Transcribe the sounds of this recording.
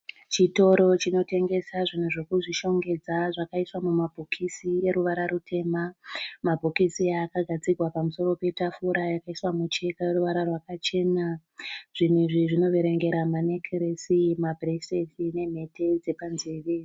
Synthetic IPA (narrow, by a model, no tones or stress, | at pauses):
t͡ʃito̞ɾo̞t͡ʃino̞te̞ŋɡe̞saʐin̤uʐekuʐiʃo̞ŋɡe̞d͡zaʐakaiswamumabʱokʰisie̞ɾuʋaɾaɾutʰe̞ːmamabʱokisiaːkaɡʱad͡zirʱwapamuso̞ɾo̞pe̞tafuɾajakaiswamut͡ʃe̞kajeɾuʋaɾarwakat͡ʃe̞ːna | ʐ̥in̤iʐiʐino̞ʋe̞ɾe̞ŋɡe̞ɾamanekʰeresimabʱresetʰine̞m̤e̞te̞d͡ze̞panzeʋe